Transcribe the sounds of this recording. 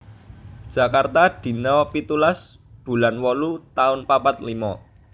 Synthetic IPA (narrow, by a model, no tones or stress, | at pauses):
d̥ʒ̥ä̤kart̪ad̪̥i̤nɔpit̪ulas | b̥ṳlanwɔlut̪aʊnpapat̪limɔ